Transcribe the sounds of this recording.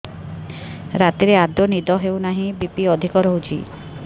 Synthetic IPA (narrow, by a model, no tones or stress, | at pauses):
ɾat̪iɾead̪jonid̪ɔɦewnaɦĩbipiɔd̪ʱikɔɾɔɦut͡ʃʰḭ